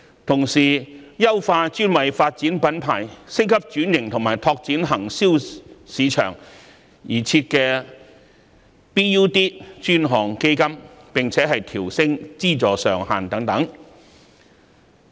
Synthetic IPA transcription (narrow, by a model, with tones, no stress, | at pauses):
t̪ʰʊ˨˩ŋsiː˨˩jɐ˥wfaː˧t͡ʃyː˥nwɐ˨jfaː˧t̚t͡siː˨˥npɐ˨˥npʰaː˨˩jsɪ˥ŋkʰɐ˥p̚t͡ʃyː˨˥njɪ˨˩ŋt̪ʰʊ˨˩ŋmaː˨˩jt̪ʰɔː˧k̚t͡siː˨˥nɦɐ˨˩ŋsiː˥wsiː˨˧t͡ʃʰœ̰ː˨˩ŋ | jiː˨˩t͡sʰiː˧t̚kɛː˧ | piː˥juː˥t̪iː˥t͡ʃyː˥nɦɔː˨˩ŋke˥jkɐ˥mpɪ˨ŋt͡sʰɛː˨˥ɦɐ˨jt̪ʰiː˨˩wsɪ˥ŋt͡siː˥t͡sɔː˨sœː˨ŋhaː˨nt̪ɐ˨˥ŋt̪ɐ˨˥ŋ